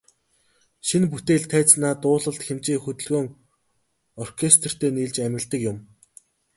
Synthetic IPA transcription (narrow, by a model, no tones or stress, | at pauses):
ʃinput̪eːɮt̪ʰæːt͡snaːt̪ʊːɮə̆ɬt̪xemt͡ɕiːxɵt̪ɵ̆ɮɣoːŋ | ɔrkʰest̪r̥t̪eːniːɮt͡ɕæmʲɪ̆ɮt̪ə̆kjʊm